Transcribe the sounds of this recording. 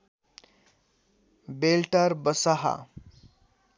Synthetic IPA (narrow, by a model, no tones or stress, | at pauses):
belʈaɾbəsaɦa̰